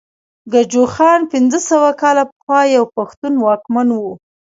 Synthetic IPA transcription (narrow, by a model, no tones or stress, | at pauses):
ɡad͡ʒoxɑnpɪnd͡zəsəwakɑlapəxwɑjawpaxt̪unwɑkmanwu